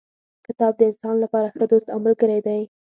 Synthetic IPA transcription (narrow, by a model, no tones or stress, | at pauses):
kɪt̪ɑb̚d̪əɪnsɑnlapɑɾaxəd̪ut̪amalɡəɾajd̪aj